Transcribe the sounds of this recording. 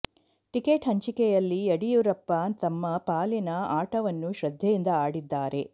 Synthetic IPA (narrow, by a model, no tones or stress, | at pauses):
ʈikeːʈɦɐɲt͡ʃikɛjɐlːiɐɽijuɾɐpːat̪ɐmːɐpaːlinɐaːʈɐʋɐnːuʃɾɐd̪ʱjɐjind̪ɐaːɽid̪ːaːɾe̞